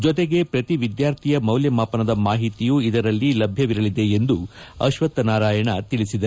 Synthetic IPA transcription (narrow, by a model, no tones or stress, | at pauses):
d͡ʒɔt̪eɡe̞pɾɐt̪iʋid̪jaːɾt̪ʰijɐmɐwljɐmaːpɐnɐd̪ɐmaːɦit̪ijuid̪ɐɾɐlːilɐbʱjɐʋiɾɐlid̪e̞ːnd̪uɐ̰ʃʋɐt̪ːɐnaːɾaːjɐɳɐt̪iɭisid̪ɐ